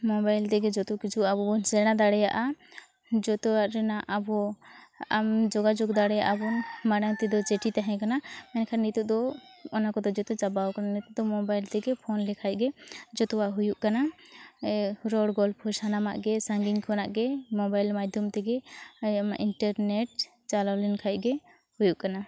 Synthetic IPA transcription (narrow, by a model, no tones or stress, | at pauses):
mɔbajlt̪ɛɡɛd͡ʒɔt̪ukid͡ʒuʔabɔbɔnsɛɽ̃ad̪aɽɛja̰ʔa | d͡ʒɔt̪ɔwaʔɾɛnaʔabɔ | amd͡ʒɔɡad͡ʒɔɡd̪aɽɛja̰ʔabɔnmaɽaŋt̪ɛd̪ɔt͡ʃɛʈit̪aɦɛ̃kanamɛnkʰaɾnit̪uʔ̚d̪ɔɔnakɔd̪ɔd͡ʒɔt̪ɔt͡ʃabawkananit̪uʔd̪ɔmɔbajlt̪ɛɡɛpʰɔnlɛkʰac̚ɡɛd͡ʒɔt̪ɔwaʔɦujuʔkana | ɾɔɽɡɔlpʰɔsanama̰ʔɡɛsaŋɡiɲkʰɔnaʔɡɛmɔbajlmad͡ʒd̪ʱjɔmt̪ɛɡɛama̰ʔiɳʈaɾnɛʈ̚ | t͡ʃalawlɛnkʰac̚ɡɛ | hujuʔkana